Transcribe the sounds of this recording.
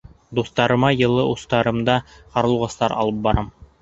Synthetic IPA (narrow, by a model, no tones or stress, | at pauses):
d̪uθt̪ɑɾɤ̆mɑjɤ̆lˠɤʔust̪ɑɾɤ̆md̪ɑqɑɾɤ̆lˠʁɤ̆st̪ɑɾʔɑ̰lˠɤp̚bɑɾɑm